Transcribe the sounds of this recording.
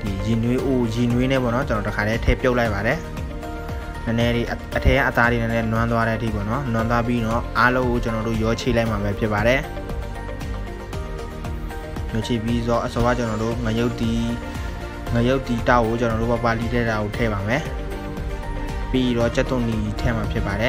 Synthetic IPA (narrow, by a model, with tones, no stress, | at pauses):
d̥i˨ji˨nwe˦ʔo˨ji˨nwe˦nɛ̰˦˨pɔ̰˦˨nɔ˦t͡ɕə˨nɔ˨təkʰa˨ɾɛ˦tʰɛ̰˦˨pjo˦ʊʔla˦ɪpːa˨ɾɛ˨ | nə˨nɛ˦ɾe˨ʔ | ʔətʰɛ˦ja̰˦ʔə˨t̪a˦ɾe˨nə˨nɛ˦˨lwã˦wa˦ɾɛ˦ʔətʰḭ˦˨p̬ɔ̰˦˨nɔ˦lwã˦nd̪wa˦p̬i˦ɾɔ˦˨ʔa˦lõ˦ŋo˨t͡ɕə˨nɔ˨ɾo̰˦˨jɔ˦t͡ɕʰe˨la˦ɪʔma˨βɛ˦pʰjɪ˦pːa˨ɾɛ˨ | jɔ˦˨t͡ɕʰe˨pji˦zɔ˦˨ʔəsɔ˦wa˦˨t͡ɕə˨nɔ˨ɾo̰˦˨ŋə˨jo˦ʊt̪i˨ | ŋə˨jo˦ʊʔt̪ːi˨ta˦ʊʔkːo˨t͡ɕə˨nɔ˨ɾo̰˦˨pɔ˨pa˨li˦˨ɾɛ˦˨ɾa˨o˨tʰɛ̰˦˨βa˨mɛ˨ | pi˦ɾɔ˦˨t͡ɕɛ˦t̪ːʊ̃˨ni˨i˨tʰɛ˦˨ma˨pʰjɪ˦ʔpːa˨ɾɛ˨